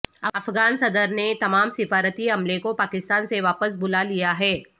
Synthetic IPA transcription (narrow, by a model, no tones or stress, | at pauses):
ɐɐfɡaːnsɐd̪əɾnet̪ɐmaːmsɪfaːɾət̪iɦɐmlekopaːkɪst̪aːnseʋaːpəs̬bʊlalijaɦɛː